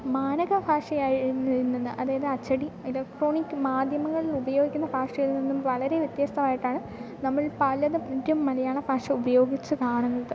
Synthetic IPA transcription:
maːnɐɣɐbʱaːʂɐjaːjinːɐinːinːɨʔɐðaːjɐðɨɐt͡ɕːɐɽielɐk̚ʈro̞ːɳikːɨmaːd̪ʱjɐmɐŋːɐɭilubɐjo̞ːɡikʲːunːɐbʱaːʂɐjilninːumʋɐɭɐɾe̞ʋjɐt̪jɐst̪ʰɐmaːjiʈːaːɳɨ | nɐmːɐɭpɐlɐðɨmud̪jɐmːɐlɐjaːɳɐbʱaːʂɐubɐjo̞ːɡit͡ɕːɨkaːɳunːɐðɨ

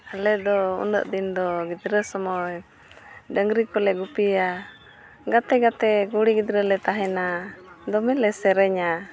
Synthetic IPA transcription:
alɛd̪ɔṵnə̰ʔd̪ind̪ɔɡid̪ɾəsɔmɔj | ɖəŋɡɾikɔlɛɡupia | ɡat̪ɛɡat̪ɛɡuɽiɡid̪ɾəlɛt̪aɦɛnad̪ɔmɛlɛsɛɾɛɲa

